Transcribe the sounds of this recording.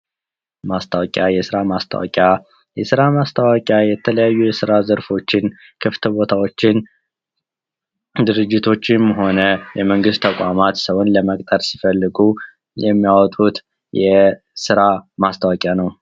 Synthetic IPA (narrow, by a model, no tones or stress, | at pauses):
mast̪ʰawkʼjajɛsɨɾamast̪ʰə̰wɔ̰kʼja | jɛsɨɾamast̪ʰəwəkʼjajɛt̪ʰələjajːujɛsɨɾazəɾfo̞t͡ʃːɪn | kʰɨft̪ʰəbo̞t̪ʰawo̞t͡ʃːɪn | d̪ɨɾɨd͡ʒːɪt̪ʰo̞t͡ʃːɪmɦo̞nəjɛməŋɡɨst̪ʰːəkʼamat̪səwʊnləməkʼt̪ʼəɾsifəlːɨɡu | jɛmːijawɔt̪ʼut̪ | jɛ | sɨɾamast̪ʰawəkʼjanəw